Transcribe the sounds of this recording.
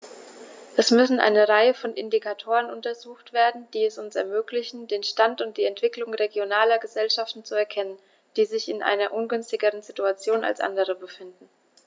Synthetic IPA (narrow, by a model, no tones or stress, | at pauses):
ʔɛsmʏsn̩ʔa̰ɪnəʁaɪəfɔnʔɪ̰ndikʰatʰoːʁənʊntɐzuːxtv̥eːɐdn̩d̥iːɛsʊnsɛ̰ɐmøːklɪçn̩deːnʃtantʊnt̚d̥iːɛntv̥ɪklʊŋʁeɡjonaːlɐɡəzɛlʃaftn̩t͡suɛɐkʰɛnən | d̥iːzɪçɪnʔa̰ɪnɐʔʊnɡʏnstɪɡəʁənzituat͡sjoːna̰lsʔa̰ndəʁ̞əbəfɪndn̩